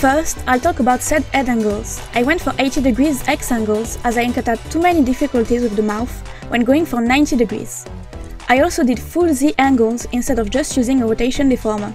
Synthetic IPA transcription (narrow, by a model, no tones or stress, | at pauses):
fɜ˞stajltɔkəbawtsɛdɛdæ̃ŋɡəlˠz̥ | ʔajwɛ̃ntfɔɹʔeɪtidɨɡɹizɛksæ̃ŋɡəlˠzazajɛ̃nkɛ̃təd̚tʰumɛnidifikɔltizɔvðəmaʊθ | wɛ̃nɡoɪ̃ŋfɔɹnãj̃ntidɨɡɹḭz̥ | ʔajɔlˠsodɪdfulziʔæ̃ŋɡəlˠzĩnstɛdɔvd͡ʒʌstʰjuzɪ̃ŋəɹoteɪʃɔ̃ndɨfɔɹmə